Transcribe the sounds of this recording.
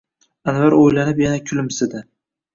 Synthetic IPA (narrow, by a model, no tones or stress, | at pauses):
anvaɾojlanɪpjanakʲʰʊlɪmsɪd̪ɪ